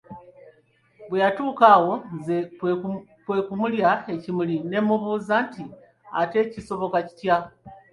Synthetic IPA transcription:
βwujatuːkaːwo̞nze | kwe̞ːkumuljae̞cimuline̞mːuβuːzanti | a̰te̞ːciso̞βo̞kaci̥ca

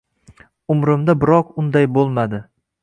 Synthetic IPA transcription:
ʊmɾɪmd̪abɪɾɒqʊnd̪ajbolˠmad̪ɪ

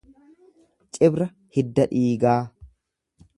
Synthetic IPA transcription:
t͡ʃʼɪbɾɐ | hɪd̪ːɐᶑiːɡaː

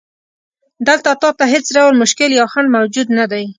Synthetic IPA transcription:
d̪əlt̪at̪ɑt̪aɦet͡sɖawɾmʊʃkɪljɑwxanmawd͡ʒud̪nad̪aj

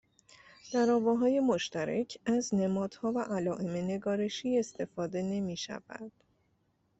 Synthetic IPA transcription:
d̪̥æɾɒːvɒːɦɒːje̞mo̞ʃt̪æɾæcʰæzne̞mɒːd̪̥hɒːvæʔælɒːʔe̞me̞ne̞ɡɒːɾe̞ʃiːe̞st̪ʰe̞fɒːd̪e̞ne̞miːʃæ̰væ̰d̪̥

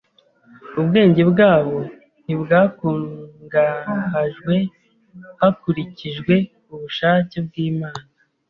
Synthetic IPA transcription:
ubɡe̞ːɲɟe̞bɡaːβo | nibɡaːkuːŋɡahaʒɡwe̞ | hakuɾiciʒɡwe̞ | uβuʃaːcebɡiːmaːna

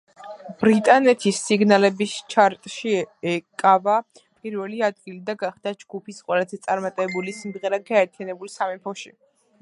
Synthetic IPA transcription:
b̥ɾit̪ʼanɛt̪ʰisːiɡnalɛbist͡ʃʰaɾt̪ʼʃiɛkʼava | pʼiɾvɛliad̪̚ɡilid̪aɡaχd̪ad͡ʒɡupʰisqʼwɛlazɛt̪sʼaɾmat̪ʼɛbulisimd̪ʁɛɾaɡaɛɾt̪ʰijanɛbulsamɛmpʰɔʃi

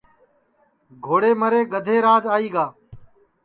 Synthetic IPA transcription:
ɡʱoːɽeːməɾeːɡəd̪ʱeːɾaːd͡ʒaːiːɡaː

